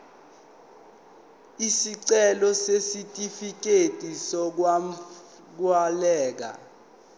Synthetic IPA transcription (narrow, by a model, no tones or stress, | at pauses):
isiǀɛlɔsesitʼifik̬ʼetʼisɔk̬wa | k̬walɛːk̬a̰